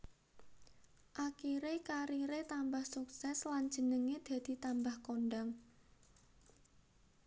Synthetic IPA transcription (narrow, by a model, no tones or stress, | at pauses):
ʔakiɾekaɾiɾet̪ambahsuksɛsland͡ʒʒ̥ənəŋed̪̥a̤d̪̥i̤t̪ambahkonɖaŋ